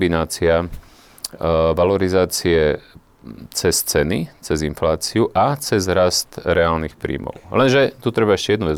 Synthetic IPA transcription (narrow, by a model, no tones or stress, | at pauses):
binaːt͡sia | ʋalɔɾizaːt͡siɛ | t͡sɛst͡sɛnit͡sɛzinflaːt͡siuʔat͡sɛzɾast̪ɾɛaːlnixpɾḭːmɔ̰ʊlɛnʒɛt̪ut̪ɾɛbaɛʃcɛjɛd̪nuʋɛ